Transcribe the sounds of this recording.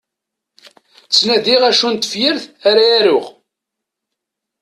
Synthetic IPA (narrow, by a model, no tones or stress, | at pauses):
t͡sːnæðiʁæʃunt̪əfjəɾθaɾaæɾʊʁ